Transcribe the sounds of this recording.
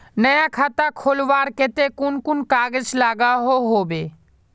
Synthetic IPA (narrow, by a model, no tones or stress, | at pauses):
nəjakʰat̪akʰolʋaːɾket̪ekʊnkʊnkaːɡəd͡ʒlaɡaɦoɦobe